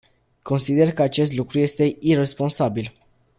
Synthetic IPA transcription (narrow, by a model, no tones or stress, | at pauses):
kʰo̞nsid̪e̞rkəat͡ʃe̞st̪lukɾuje̞st̪e̞irespo̞nsabil